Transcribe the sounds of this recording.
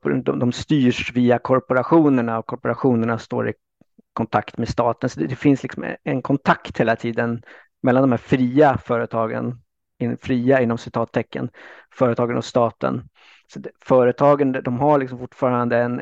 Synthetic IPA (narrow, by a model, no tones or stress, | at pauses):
d̪ɔd̪ɔmst̪yːʂviːakʰɔɾpɔɾaɧuːnəɳaɔkʰɔɾpɔɾaɧuːnəɳast̪o̰ːɾɪ̰ | kʰɔnt̪ʰakt̪meːst̪ɑːt̪ənsɔd̪ɛd̪ɛfɪnslɪksɔ̰mɛ̰ɛnkʰɔnt̪ʰakt̪heːlat̪ʰiːd̪ən | mɛlːand̪ɔmhæːɾfɾiːafœːɾət̪ʰɑːɡə̰n | ɪnfɾiːaɪnːɔmsɪt̪ʰɑːt̪ʰːɛkːə̰nfœːɾət̪ʰɑːɡənɔ̰st̪ɑːt̪ə̰n | sɔɛfœːɾət̪ʰɑːɡənd̪ɔmɦaɭɪksɔmfʊʈːfɑːɾand̪əɛn